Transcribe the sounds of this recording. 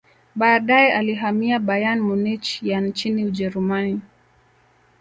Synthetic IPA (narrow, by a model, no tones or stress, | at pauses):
ɓaːɗajɛʔaliɦamiaɓajanmunit͡ʃjant͡ʃiniuʄɛɾumani